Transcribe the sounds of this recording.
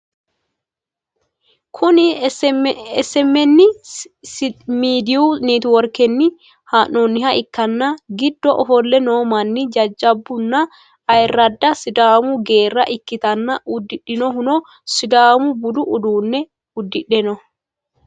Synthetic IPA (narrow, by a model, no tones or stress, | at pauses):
kʰʊnɪ | ɛsɛmːɛnːɪ | miːd̪ɪuniːt̪ʊwɔɾkːɛnːɪ | haːnːɔnːɪhɐʔɪkːɐnːɐɡɪd̪ːɔʔɔfɔlːɛno̞ːmɐnːɪd͡ʒɐd͡ʒːɐbːʊnːɐ | ɐjɾːɐd̪ːɐsɪd̪aːmʊɡe̞ːrːɐ̰ʔɪkːɪt̪ɐnːɐʊd̪ːɪɗɪnɔhʊnɔ | sɪd̪aːmʊbʊd̪ʊʔʊd̪uːnːɛ | ʊd̪ːɪɗɛnɔ